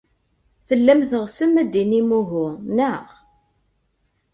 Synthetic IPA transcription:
θəlːæmθəʁsəmːæd̪inimuɦʊnəʁ

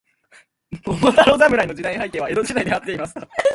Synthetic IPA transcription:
momot̪aɾozamɯ̟ɾainod͡ʑid̪aihaikẽ̞ːβae̞ɾo̞d͡ʑid̪aid̪eat̪ːe̞imasɨ̥ka

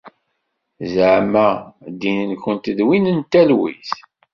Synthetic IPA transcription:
zʕmæd̪inənkʷənt̪əðwinənt̪ːælwḭθ

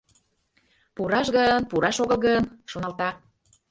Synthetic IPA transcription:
puɾɑʃɣənpuɾɑʃoɣəlˠɣənʃonɑlt̪ɑ

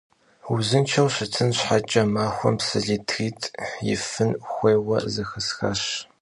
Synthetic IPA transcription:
uzɨnt͡ʃʰɐwɕɪtʰɨnɕħat͡ʃʼɐmaːxʷɔ̰msɨɮiːtʰxiːtʰjɪ̰fɨnxʷeːwɐ̰zɨxɨsxɐ̰ɕ

